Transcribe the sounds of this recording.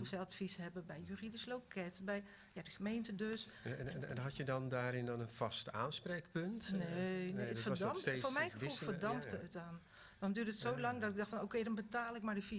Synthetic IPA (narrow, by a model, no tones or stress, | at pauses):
sɛlˠtfishɛbəbɛjjyridɪslowkʰɛtbɛj | jadəɣəmejntədøsɛnɦatjədɔndaːɾɪndɔnənfɑsta̰ːnspreːkpɵntnenefədmefoːmɛjxəfulˠfədɔmptəətdɔn | dɔndyːdətsowlɑŋdɔtɪɡ̚dɔxtfɔnowkejdɔnbətaːlˠɪk̚mardəfi